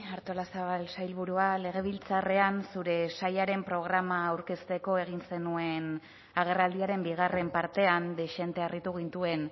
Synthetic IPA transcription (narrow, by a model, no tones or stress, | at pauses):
aɾt̪o̞lasaβalsajlβuɾuale̞ɣ̞e̞β̞ilt͡sare̞ansuɾe̞sajaɾe̞mpɾo̞ɣ̞ɾamaːwɾke̞st̪e̞ko̞e̞ɣ̞inse̞nue̞n | aɣ̞e̞rald̪iaɾe̞mbiɣare̞mpaɾt̪e̞and̪e̞ʃe̞nt̪e̞arit̪uɣ̞int̪ue̞n